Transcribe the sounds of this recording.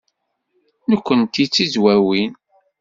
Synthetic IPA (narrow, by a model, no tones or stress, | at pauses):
nəkʷːənt̪it͡sːizwæwin